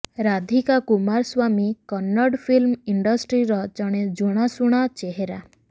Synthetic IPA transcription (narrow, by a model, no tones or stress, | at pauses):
ɾad̪ʱikakumaɾswamikɔnːɔɽpʰilmiɳɖɔsʈɾiɾɔt͡ʃɔɽ̃ed͡ʒuɽ̃asuɽ̃at͡ʃeɦeɾa